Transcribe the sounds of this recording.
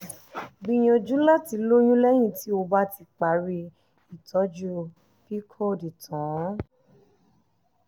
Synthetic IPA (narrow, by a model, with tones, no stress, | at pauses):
ɡ͡bi˧j̃ɔ̃˧d͡ʒũ˦la˦ti˧lo˦j̃ũ˦lɛ˦j̃ĩ˦˨ti˦o˧ba˦ti˧˦k͡pa˨˦ɾi˧ | i˨tʰɔ˨˦d͡ʒu˦˨ | pi˦kʰɔ˦di˨tʰɔ̃˨˦